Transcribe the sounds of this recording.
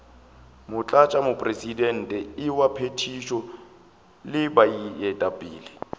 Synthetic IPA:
mʊt͡ɬʼat͡ʃʼamʊpʼresidɛn̩tʼɛɪwapʰetʰiʃɔ | lɪbaijɛtʼabʼḭːlɪ

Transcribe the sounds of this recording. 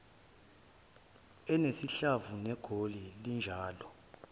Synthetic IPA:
ɛnesiɬavunɛɡ̥ʱolilind͡ʒʱaːlɔ

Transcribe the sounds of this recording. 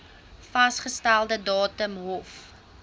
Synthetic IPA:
fɐsχəstælˠdədɑːtəmɦɔf

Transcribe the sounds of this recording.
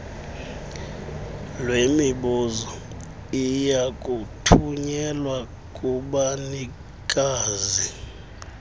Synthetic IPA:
lwemiɓuːzɔ | ijakʼutʰuɲɛlwa | kʼuɓani | kʼaːzi

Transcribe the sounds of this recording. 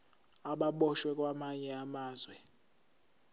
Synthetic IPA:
aɓaɓɔʃwɛkʼwamaɲɛamaːzwɛ

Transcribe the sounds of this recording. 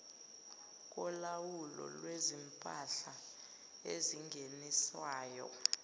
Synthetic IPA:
k̬ʼɔlawulɔ̰lwezimpʼaɬa | eziŋɡʱeniswaːjɔ̰

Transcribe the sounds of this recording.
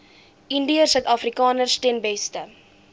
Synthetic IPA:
indiərsət̪ɐfrikɑːnərstɛnbɛstə

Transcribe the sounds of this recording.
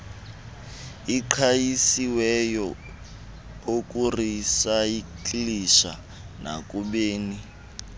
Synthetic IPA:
iǃʰajisiwɛjɔ | okʼurisaikliʃa̰ | nʔa̰kʼuɓeːni

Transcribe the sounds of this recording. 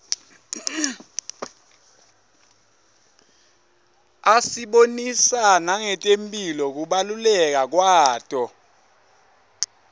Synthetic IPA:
asiɓonisanaŋɛtʼempʼilɔk̬uɓalulɛk̬ak̬waːtʼɔ

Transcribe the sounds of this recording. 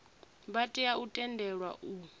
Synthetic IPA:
βatʼiautʼɛndʱɛɺwa̰ʔu

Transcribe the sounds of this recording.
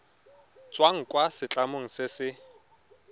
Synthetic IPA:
t͡sʼwaŋ̩kʼwasɪt͡ɬʼamoŋ̩sɪsɪ

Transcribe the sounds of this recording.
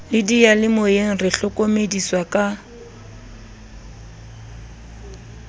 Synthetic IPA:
lɪdijalɪmʊjeŋ̩rɪɬʊkʼomediswakʼa

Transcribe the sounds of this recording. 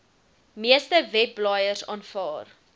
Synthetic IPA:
miəstəvɛpːlɑːjərsɑ̰ːnfɑːr

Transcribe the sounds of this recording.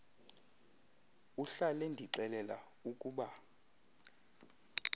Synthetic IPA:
uɬalɛndʱiǃɛlɛla | ukʼuːɓa

